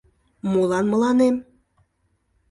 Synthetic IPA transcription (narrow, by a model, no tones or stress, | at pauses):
molɑnməlɑnem